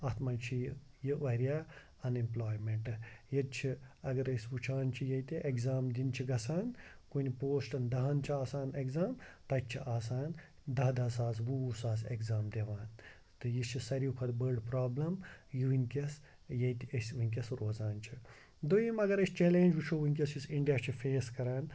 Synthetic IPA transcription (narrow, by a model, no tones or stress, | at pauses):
ɐt̪mɐnt͡ʃʰij | jiʋɐɾijaː | ɐnimploːjmeɳʈɨjɐt̪̚t͡ʃʰiɐɡɐɾɐsʲʋut͡ʃʰaːnt͡ʃʰijɐjt̪ʲiʔeɡzaːmd̪ʲint͡ʃʰiɡɐsaːnkunipoːsʈɐnd̪ɐɦɐːnt͡ʃʰiaːsaːnekzaːmt̪ɐt̪̚t͡ʃʰiʔaːs̬aːn | d̪ɐɦd̪ɐːsaːsʋuusaːzeɡzaːmd̪eʋaːn | t̪ɨjist͡ʃʰisɐɾikʰɐd̪bəːɾɖpɾaːblɐmjiʋinʲkʲɐs | jejt̪ɐsʋunʲkʲɐsɾoːzaːnt͡ʃʰi | d̪oimɐɡɐɾɐst͡ʃeːlẽːnʲd͡ʒʋut͡ʃʰoːʋunʲk̬ʲɐsisiɳɖijaːt͡ʃʰifʰeːskɐɾaːn